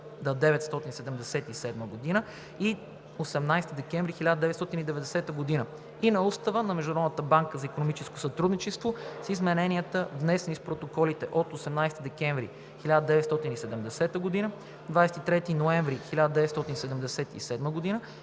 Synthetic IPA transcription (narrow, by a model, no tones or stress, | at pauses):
d̪ɐd̪ɛvɛt̪st̪ɔt̪insɛd̪ɛmd̪ɛsɛt̪isɛd̪məɡod̪inə | i | osɛmnajst̪id̪ɛkɛ̃ɱvɾixilʲad̪əd̪ɛvɛt̪st̪ɔt̪inid̪ɛvɛd̪ɛsɛt̪əɡod̪inə | inɐust̪əvənɐmɛʒd̪ʊnɾɔd̪nət̪əbaŋkəzɐikonomit͡ʃɛsko̥sɐt̪ɾud̪nit͡ʃɛst̪vosizmɛnɛniət̪əvnɛsɛnispɾot̪okɔlit̪ɛʔot̪osɛmnajst̪id̪ɛkɛ̃ɱvɾḭ | xilʲad̪əd̪ɛvɛt̪st̪ɔt̪inisɛd̪ɛmd̪ɛsɛt̪əɡod̪inə | d̪vajsɛ̥t̪it̪ɾɛt̪inoɛ̃ɱvɾixilʲad̪əd̪ɛvɛt̪st̪ɔt̪insɛd̪ɛmd̪ɛsɛt̪ḭsɛd̪məɡod̪inə